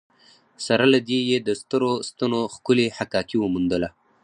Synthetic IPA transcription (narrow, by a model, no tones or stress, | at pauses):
saɾalad̪ejed̪əst̪əɾost̪anoxkʊlehakɑkiwəmund̪əla